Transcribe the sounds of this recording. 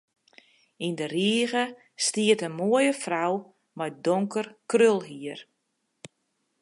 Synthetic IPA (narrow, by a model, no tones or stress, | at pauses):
indəriəɣə | stiətənmoəjəfraw | mɔjdɔŋkʰərkrølˠɦiər